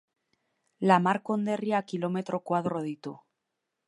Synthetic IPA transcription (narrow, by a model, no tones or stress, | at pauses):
lamaɾkond̪erjakilomet̪ɾʔokwaðroð̞it̪u